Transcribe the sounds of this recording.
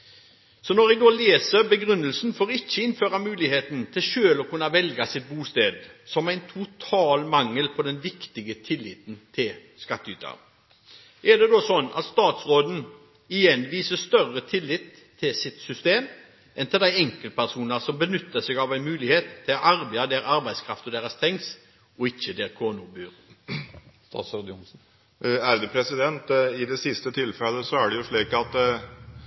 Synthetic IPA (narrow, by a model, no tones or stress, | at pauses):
sɔnɔɾɛɡɡ̪oːleːsəbəɡɾʉnːəlsn̩foːɾɪçːəɪnføːʁɑmʉːlɪheːt̪n̩t̪ʰɪlʃøːlɔkʉnːɑʋɛlɡɑsɪt̪̚buːst̪eːd̪sɔmæɪnt̪ʰʊt̪ʰɑːlmɑŋːəlpʰɔd̪ɛnʋɪkt̪ɪɡət̪ʰɪlːɪ̰ːt̪nt̪ʰɪl | skɑt̪ːy̰ːt̪ʰɑ̰ʁ | ʔɛd̪ɛd̪osɔnːɑ̰t̪st̪ɑːt̪sʁoːd̪n̩ | ɪjɛnʋiːsəst̪œʁət̪ʰɪlːɪt̪ʰːɪlsɪt̪sʏst̪eːm | ʔɛnt̪ɪld̪æɪɛŋkəlpʰæʁsuːnəʁsɔmbənʏt̪ːəsɛɡɑʋæɪnmʉːlɪheːt̪ʰːɪlɔʔɑɾbɛɑd̪eːɾɑɾbæɪskʰɾɑft̪ɔd̪eːʁəst̪ʰɛŋs | ɔɪçːəd̪eːʁkʰoːnʊbyːɾ | st̪ɑ̰ːt̪soːd̪ʊmsn̩ | æɾd̪ʉpʰɾɛsɪd̪ɛnt̪ɪd̪ɛsɪst̪ət̪ʰɪlfɛləsɔæɖɛjʊʂɭiːkɑt̪